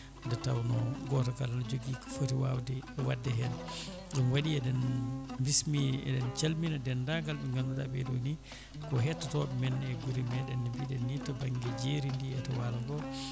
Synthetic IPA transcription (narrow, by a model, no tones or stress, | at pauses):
dɛtawnɔɡɔtakalanɔd͡ʒoɡikɔ̥fotiwawdɛwadːɛɦɛl | ɗunwaɗiɛdɛnmbismiɛ̰dɛnt͡ʃalminadɛndaɡalɓɛŋɡanːudabɛdoni | kɔɦɛtːatɔbɛmɛnɛɡuɾimɛɗɛnːɛbiɗɛnjitːabaŋɡɛd͡ʒeɾindiɛtɛwalaɡɔ